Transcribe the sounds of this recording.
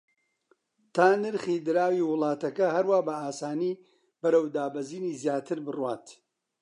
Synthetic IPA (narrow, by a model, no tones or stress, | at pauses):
t̪ʰaːnɨɾχiːd̪ɨɾaːwiːwʊlˠɑːt̪ɐkɐɦɐɾwaːbɐaːsaːniː | b̥ɐɾɐwd̪aːbɐziːniːzjaːt̪ʰɨɾbɨrwaːt̪